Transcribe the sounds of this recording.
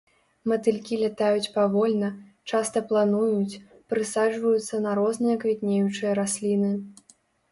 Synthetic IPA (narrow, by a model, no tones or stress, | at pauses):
mɐt̪ɨlʲkʲilʲat̪ajut͡sʲpavɔlʲnɐt͡ʂast̪ɐplˠanujut͡sʲ | pɾɨsad͡ʐvɐjut̪sːɐnɐɾɔznɨjɐkvʲit̪nʲejut͡ʂɨjɐɾasʲlʲinɨ